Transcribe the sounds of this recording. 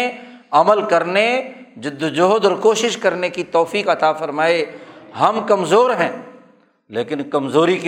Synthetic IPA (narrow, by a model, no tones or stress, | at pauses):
ɐməlkɐɾne | d͡ʒʊd̪ːd͡ʒoɦd̪ɔːɾkoːʃɪʃkɐɾnekit̪ɔːfiːkɐt̪afɐɾmaːeɦɐmkɐmzoːɾɦɛ̃ː | leːkɪnkɐmzoːɾik